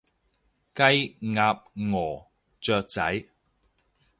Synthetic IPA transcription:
kɐ˥jŋaː˧p̚ŋɔː˨˩ | t͡sœː˧k̚t͡sɐ̰˨˥j

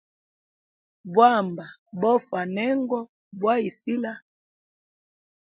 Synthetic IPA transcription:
bwa˦mba˨bɔ˦fa˨nɛ˦ŋɡɔ˦ | bwa˦i˨si˦la˦

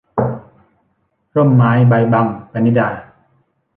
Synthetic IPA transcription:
ɾo˥˩˨mːaː˨˦jba˧jba˧ŋpa˧ni˦˥daː˧˩

